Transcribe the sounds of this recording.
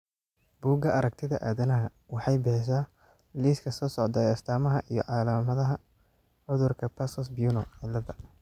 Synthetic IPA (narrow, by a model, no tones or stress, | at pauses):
b̥uːɡɐʔɐɾɐk̚t̪ʰɪðɐʔaːðɐnɐɦɐ | wɑħɑjbɛʃ̬aː | liːskʰɐsɔːsɔʕd̪ɐɛɐst̪ʰaːmɐɦɐʔijɞ̰ʕɑːlɐmɐðɐɦɐ | ʕʊðʊrkʰɐpʰɐsɔsbijuːnɔʕɪlɐðɐ